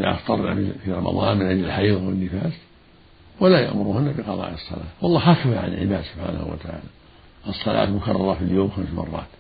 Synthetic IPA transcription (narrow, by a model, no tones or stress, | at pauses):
la̰ʔa̰xt̪ˤɑɾˤna̰fifiɾˤɑmʔɑ̰ðˤɑ̰ːnmɪnʕɪd͡ʒlɪlħɑijðˤwɪnːɪfaːs | walaja̰ʔmʊɾhʊnːabɪqɑðˤɑ̰ːʔɨsˤːɑ̰la̰ːwɑlˤːɑːɦakaðaʕa̰nɪ̰lʕɪ̰baːd̪sʊb̥ħa̰ːna̰hṵwa̰t̪aʕa̰ːla | ʔɨsˤːɑlʔa̰ːt̪mʊkɑrˤːɑɾˤɑfiljoːmxamsmɑ̰rˤːɑ̰ːt̪